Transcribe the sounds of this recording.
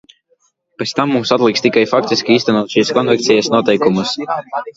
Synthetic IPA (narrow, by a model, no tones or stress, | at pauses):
pet̪st̪amːumsat̪lˠikst̪ikajfak̚t̪iskʲiiːst̪ɛnuɔt̪ʃiːskɔnvɛk̚t̪sʲɛjasnuɔt̪ɛjkumus